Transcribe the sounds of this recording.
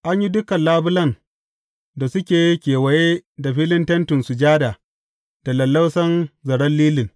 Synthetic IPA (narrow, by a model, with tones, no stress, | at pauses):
ʔa˦ɲji˦dʊ˦kɐ˨nlaː˦bʊ˦lɐ˦˨n | da˨sʊ˦kʲeː˨ji˦kʲeː˨wɐ˨je˦da˨ɸiː˦lɪ˦ntɐ˦ntɪ˨nsu˨d͡ʒaː˦da˨ | d̥a˨lɐ˨lːɐ˦wsɐ˦nzɐ˨ɽɐ˦nliː˦lɪ˨ŋ